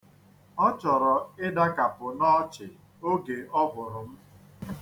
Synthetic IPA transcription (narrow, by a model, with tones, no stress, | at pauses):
ɔ˦t͡ʃɔ˨ɾɔ˨ɪ˦da˦ka˨pʊ˨nɔ˦t͡ʃɪ˨ | o˦ɡe˨ʔɔ˦bʊ˨ɾʊ˨m̩˦